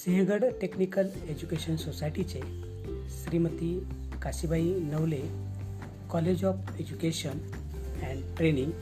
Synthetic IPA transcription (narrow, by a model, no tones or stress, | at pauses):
siɦẽɡəɽʈeknikəl | ed͡ʑukeɕənsosajʈit͡ɕe | sɾimət̪i | kasibainəwle | kɔled͡ʑɔf | ed͡ʑukeɕən | ɛ̃ɳɖʈɾeniŋɡ